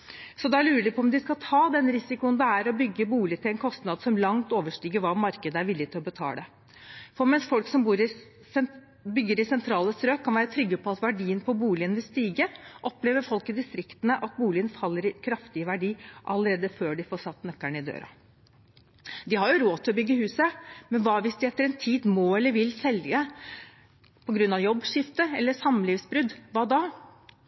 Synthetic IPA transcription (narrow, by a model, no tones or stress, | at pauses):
sɔd̪ɛæɭʉːɾəlɪpʰɔɔmd̪ɪskɑlt̪ʰɑːd̪ɛnɾɪsɪkʊənd̪ɛæɾɔbʏɡːəbuːlɪt̪ɪlɛnkʰɔst̪nɑd̪sɔmlɑŋt̪oːʋəʂʈiːɡəɾʋɑmɑɾkəd̪əæɾʋɪlːɪt̪ʰɪlɔbət̪ʰɑ̰ːd̪ɛ | fɔɾmɛnsfɔlksɔmbuːɾɪ | bʏɡːəɾɪsɛnt̪ʰɾɑːləsɾøːkʰːɑnʋæːɾət̪ʰɾʏɡːəpʰɔɑt̪ʋæɖiːənpʰɔbuːlɪənʋɪlst̪iːɡəʔɔpleːʋəɾfɔlkɪd̪ɪst̪ɾɪkt̪ənəʔɑt̪̚buːlɪənfɑlːəɾɪkʰɾɑft̪ɪəʋæɖiːʔɑ̰ləɾeːd̪əføːɖɪfoːʂɑt̪ːnœkːæɳəɪd̪ø̰ːɾɑ̰ | d̪ɪhɑɾjʊɾoːt̪ʰɪlɔbʏɡːəhʉːsəmɛnʋɑːʋɪsd̪ɪɛt̪ːəɾɛnt̪ʰiːd̪moːɛlːəɾʋɪlsɛlə | pʰɔɡɾʉnːɑʋjɔbːʂɪft̪əɛlːəsɑmlɪʋsbɾʉd̪ʋɑːd̪ɑː